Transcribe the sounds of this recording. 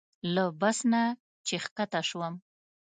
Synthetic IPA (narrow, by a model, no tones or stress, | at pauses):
labasna | t͡ʃexkat̪aʃwəm